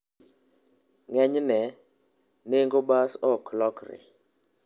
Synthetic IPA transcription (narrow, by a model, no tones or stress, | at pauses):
ŋɛɲnɛ | neŋɡobasɔklɔkɾɪ̰